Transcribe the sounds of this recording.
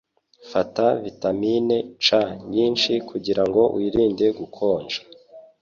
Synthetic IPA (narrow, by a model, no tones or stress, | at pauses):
fatavitamine̞t͡ʃaɲiːnʃikʰuɟiɾaŋɡo̞wʔiɾiːnde̞ɡukʰo̞ːnd͡ʒḁ